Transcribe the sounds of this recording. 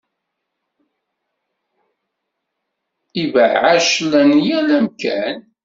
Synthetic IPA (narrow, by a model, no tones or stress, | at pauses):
ivəʕaʃlænjælæmkæn